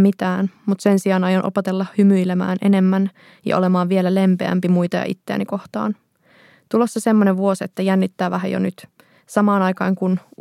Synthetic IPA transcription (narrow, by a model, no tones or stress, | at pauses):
mit̪æːnmut̪se̞nsiɑːnɑjonʔo̞̰pet̪elːɑhymyjlemæ̰ːnʔe̞̰ne̞mːæn | jɑ̰ʔole̞mɑːʋʋielæle̞mpeæ̰mpimujt̪ɑjɑ̰ʔḭt̪ːeæ̰niko̞ht̪ɑ̰ːn | t̪ulo̞sːɑse̞mːoneʋʋuo̞set̪ːæjænːit̪ːæːʋæɦæ̰jo̰nyt̪ | sɑmɑːnɑjkɑːŋkun